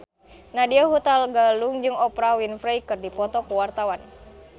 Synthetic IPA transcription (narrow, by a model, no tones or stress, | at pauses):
nadiaɦut̪alɡaluŋd͡ʒɨŋɔpɾawinfɾejkɨrdipɔt̪ɔkuwart̪awan